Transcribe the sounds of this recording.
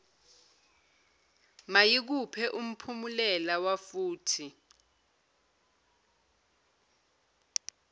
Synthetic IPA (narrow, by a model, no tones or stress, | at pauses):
majik̬upʰɛʔum̩pʰumulɛlawafuːtʰi